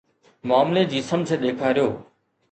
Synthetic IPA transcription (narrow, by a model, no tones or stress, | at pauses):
maːmled͡ʑiːsɐmd͡ʑeɗ̪eːkʰaːɾijoː